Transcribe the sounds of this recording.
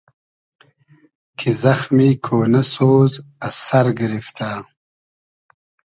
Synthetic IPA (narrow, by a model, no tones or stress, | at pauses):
kʰizɐxmikʰoːnɐsoːzasɐɾɡəɾift̪a